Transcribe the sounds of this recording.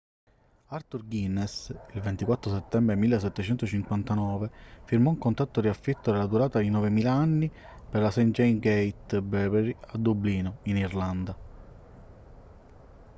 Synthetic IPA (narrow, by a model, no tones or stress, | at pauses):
art̪urɡinːesilvent̪ikwat̪ːɾos̬et̪ːɛmbɾemilːesːɛt̪ːet͡ʃɛnt̪ot͡ʃiŋkwant̪anɔːvefiɾmɔuŋkont̪at̪ːoɾiafːit̪ːod̪elad̪uɾaːt̪ad̪inɔvemiːlaanːi | perlasɛnd͡ʒejnɡejt̪bɛbɛɾiad̪ubliːnoinirland̪a